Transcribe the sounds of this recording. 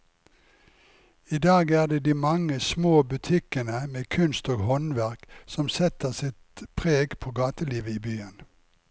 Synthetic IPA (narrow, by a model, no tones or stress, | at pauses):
iːd̪ɑːɡæːʁd̪eːd̪iːmɑŋəsmoːbʉt̪ʰɪkənəmeːkʰʉnst̪oːɡhɔnʋæʁksɔmsɛt̪əʁsɪt̪pʰʁeːɡpʰoːɡɑːt̪əliːʋəiːbyːən